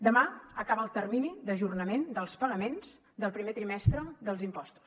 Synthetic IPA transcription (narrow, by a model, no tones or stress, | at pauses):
d̪əmaəkaβəːlˠt̪ərminiðəʒurnəmend̪əlˠspəɣəmenz | d̪əlˠpɾimet̪ɾimɛst̪ɾəd̪əlˠzimpɔst̪u̥s